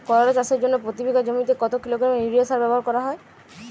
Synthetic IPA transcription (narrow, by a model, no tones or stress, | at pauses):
kɔɾaɾed͡ʒaseɾd͡ʒonːɔpɾot̪ibʱeɡʱad͡ʒomit̪ekɔt̪ɔkiloɡɾameiɾiasaɾbɛbɔɦaɾkɔɾaɦɔe